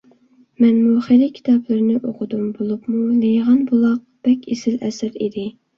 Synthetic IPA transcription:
mɛnmuχeɾɪkʲʰi̥t̪ʰɑplˠɨɾnɨʔoqʰʊd̪umbolˠupmunejʁɑnbolˠɑq̚b̥ɛkʲʰesɪlɛsɪɾid̪ɪ

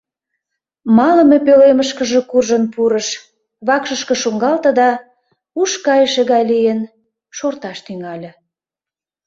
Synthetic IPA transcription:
mɑlə̆mepøleməʃkə̆ʒĕkurʒənpuɾəʃ | βɑkʃəʃkə̆ʃuŋɡɑlt̪ə̆d̪ɑ | uʃkɑjəʃĕɣɑjlijən | ʃort̪ɑʃt̪yŋɑlʲĕ

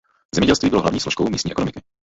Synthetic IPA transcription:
zɛmɛɟɛlst̪viːbɔlɔɦlavɲiːslɔʃkɔʊmiːst̪ɲɛɛkɔnɔmiki

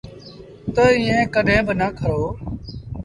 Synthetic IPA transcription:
t̪əɪːẽːkəɗẽːbənəkʰəɾoː

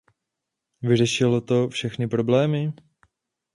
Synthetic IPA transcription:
vɪr̝ɛʃɪlot̪o̞fʃɛxnɪpɾo̞blɛːmɪ

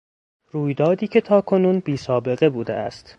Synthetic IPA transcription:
ruːjd̪ɒːd̪iːcʰe̞t̪ʰɒːkʰo̞nuːnbiːsɒːbe̞ɣe̞buːd̪ḛʔæ̰st̪

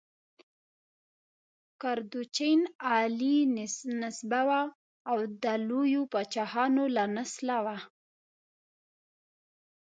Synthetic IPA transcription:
kaɾd̪ut͡ʃenɑlinnɪsbawaː | wd̪alojopat͡ʃɑhɑnolanaslawa

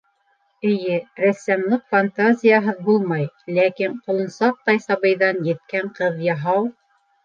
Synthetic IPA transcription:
ɘ̆jɘɾæsæmlˠɤqfant̪azʲɪjaɦɤðbulˠmɑjlækiɴqŏlˠɤ̆nsɑq̚t̪ɑjsɑβɤ̆jðɑnjɘ̆t̪̚kæɴqɤðjɑɦɑw

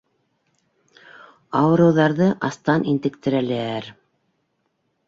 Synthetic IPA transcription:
ɑwɤ̆ɾɤ̆wðɑɾðɤʔɑst̪ɑnint̪ɘ̆kt̪ɘ̆ɾælæɾ

